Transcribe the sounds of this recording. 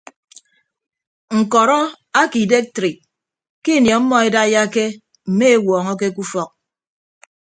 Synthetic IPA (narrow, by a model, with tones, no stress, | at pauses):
ŋ̩˨kɔ˨ɾɔ˦ | a˦ki˨de˦k̚tɾi˨ | ki˦˨njɔ˨˦mːɔ˦e˦da˦ja˦ke˦ | m̩˨me˦e˦wɔː˨ŋɔ˦k̬e˦ku˦fɔ˦k̚